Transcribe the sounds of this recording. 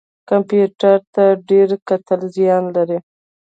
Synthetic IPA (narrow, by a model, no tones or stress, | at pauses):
kampjuʈaɾt̪aɖeɾkat̪əlzjɑnlaɾi